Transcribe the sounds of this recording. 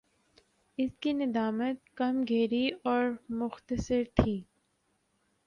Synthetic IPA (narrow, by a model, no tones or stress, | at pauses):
ɪskinɪd̪aːmət̪̚kɐmɡʱeːɾiɔːɾmʊxt̪əsɪɾt̪ʰiː